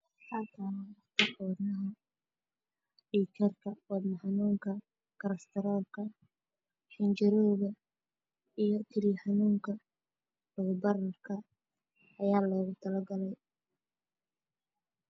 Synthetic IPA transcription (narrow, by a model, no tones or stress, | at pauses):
ħɑt̪ʰaːwɑt̪ʰɪħɔːnɐɦɐ | ɖiːkʰɐrkʰɐwɑmɐħɑnuːŋkʰɐ | kʰɐɾɐst̪ʰɐɾaːlkʰɐ | ħɪnt͡ʃɪɾɔːɣɐ | ijɞkʰɪliːħɑnuːŋkʰɐ | lʊɣʊbɐrɐrkʰɐ | ɐjaːlɔːɣʊt̪ʰɐlɐɡɐlɛj